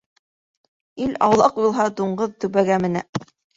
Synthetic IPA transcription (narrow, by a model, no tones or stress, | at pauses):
ilɑ̰wlˠɑqjulˠɦɑd̪uɴɢɤðt̪ɵ̆βæɡæmɘ̆næ̰